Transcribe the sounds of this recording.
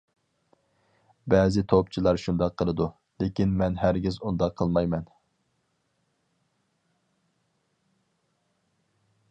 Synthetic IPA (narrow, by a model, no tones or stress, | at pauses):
bɛːzɪt̪ʰopt͡ʃʰilˠɑɾʃund̪ɑqʰːəlˠɨd̪u | lekʲinmɛnɦæɾɡʲizund̪ɑqʰːəlˠmɑjmɛn